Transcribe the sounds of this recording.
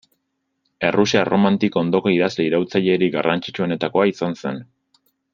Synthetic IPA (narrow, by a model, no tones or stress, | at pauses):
e̞rusiaro̞mant̪ikoo̞nd̪o̞ko̞iðazle̞iɾawt͡saʎe̞ɾiɡa̰rʔant͡ʃit͡ʃuo̞ne̞t̪ako̞aisanse̞̰n